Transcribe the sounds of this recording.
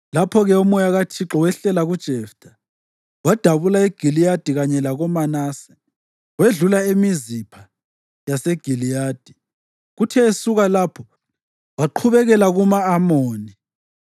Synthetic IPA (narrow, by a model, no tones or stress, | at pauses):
lapʰɔɣɛumɔjaɣatʰiǁɔwɛɬɛlaɣud̥ʒ̥ʱɛfd̥ʰʱʼa | wad̥ʱaβulaeɡ̥ʱilijad̥ʱiɣaɲɛlaɣɔmanaːsɛ̥ | weɮulaemizipʰa | jaseɡ̥ʱilijaːd̥ʱi̥ | ɣutʰɛːsuɣalapʰɔ | waǃʰuβɛɣɛlaɣumaːmoːni